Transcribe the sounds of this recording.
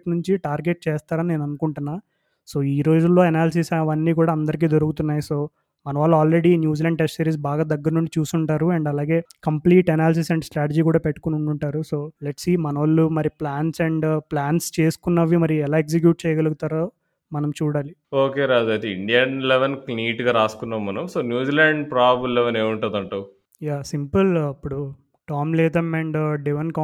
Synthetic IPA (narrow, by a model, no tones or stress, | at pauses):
knuɲt͡ʃiʈaːɾɡe̞ʈ̚t͡ʃeːst̪aːɾɐnine̞ːnɐnukuɳʈunːaː | so̞ːiːɾo̞ːd͡ʒulːo̞ːɛnaːls̬isʋɐnːiːkuːɽaːɐnd̪ɐɾik̬iːd̪oɾukut̪unːaːjiso̞ː | mɐnɐʋaːlːɐaːlɾe̞ɽinjuːd͡ʒilɐɳɖʈesʈɐɾiːs̬baːɡaːd̪ɐɡːɐɾɐnuɳɖit͡ʃuːsuɳʈaːɾuɐɳɖɐlaːɡe̞ːkɐmpliːʈɛnaːls̬isɐɳɖsʈɾaːʈed͡ʒiːkuːɽaːpeʈːu̥kunuɳɖuɳʈaːɾuso̞ːleʈsiːmɐnɐʋɐlːumɐɾiplaːnsɐɳɖplaːnst͡ʃeːsu̥kunːɐʋːimɐɾijuɛlaːeks̬ik̬juːʈ̚t͡ʃɛːjɐɡɐluɡut̪aːɾoː | mɐnɐmt͡ʃuːɽaːlioːkeːɾaːd͡ʒ̪uɐd̪eiɳɖijɐnleʋɐnkliːʈɡaːɾaːsu̥kunːaːmːɐnɐmsoːnjuːd͡ʒiːlaːɳɖpɾaːbuleʋɐneːmuɳʈund̪ɐɳʈau | jaːsimpɐlɐpːuɽu | ʈaːmlɛːt̪ɐmeɳɖɖiʋɐnka